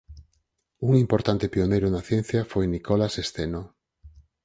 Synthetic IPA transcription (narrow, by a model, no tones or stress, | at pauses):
uŋimpoɾt̪ant̪ɪpionejɾʊnɐθjɛn̟θjafojnikolasest̪eno